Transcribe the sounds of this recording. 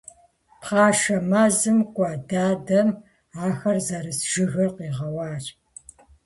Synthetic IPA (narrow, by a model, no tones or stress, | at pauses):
pχɑːʃɐmaːzɨmkʷʼɑdaːdɐm | aːxɐrzɐɾɨsʒ̥ɨɣɨrqiːʁɐwɑːɬʼ